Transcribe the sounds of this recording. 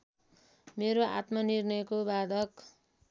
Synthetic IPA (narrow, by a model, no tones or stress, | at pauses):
meɾoa̰t̪mʌnirnʌjkobad̪ʱʌk